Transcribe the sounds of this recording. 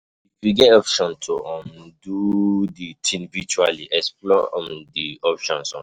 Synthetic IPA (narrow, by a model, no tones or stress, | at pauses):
ifjuɡɛtɔpʃɔ̃ntʰoʔɔ̃mũduditʰĩnvit͡ʃualiʔɛsplɔɔ̰̃m̩diɔpʃɔ̃nsɔ̰̃